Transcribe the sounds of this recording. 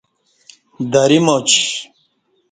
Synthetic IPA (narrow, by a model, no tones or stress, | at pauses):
d̪ɐɾimot͡ɕi